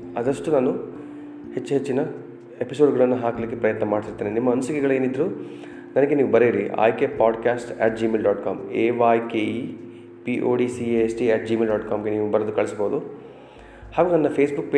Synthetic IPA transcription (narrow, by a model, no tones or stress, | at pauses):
ɐd̪ɐʂʈunaːnu | he̞t͡ʃːuɦe̞t͡ʃːinɐ | episoːɖɡɐɭɐnːuɦaːkɐlik̬ːepɾɐjɐt̪nɐmaːɖisiɾt̪ːeːneinimːɐɐnusikɛɡɐɭe̞ːnid̪ːɐɾuː | nɐnɐɡe̞niːʋubɐɾiɾiʔa̰ːjkepaːɖkaːsʈɛ̰ːʈ̚d͡ʒiːmeːlɖaːʈkaːmeːʋaːjkeːi | piʔo̰ːɖiːsiesʈiɛːʈ̚d͡ʒiːmeːlɖaːʈkaːmɡe̞niːʋubɐɾɐd̪ukɐɭisboːd̪u | haːɡuːnɐnːɐpʰeːsbukːpe